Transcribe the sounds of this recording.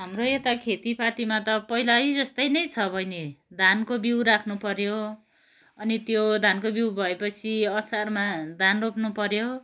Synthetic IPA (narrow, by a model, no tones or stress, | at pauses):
ɦamroet̪akʰet̪ipat̪imat̪ʌpʌilajd͡zʌst̪ʌjnʌjt͡sʰʌbʱʌjned̪ʱankobiwɾakʰnupʌɾjo | ʌnit̪jod̪ʱankobiwbʱʌepʌt͡sʰiʌsarmad̪ʱanropnupʌɾjo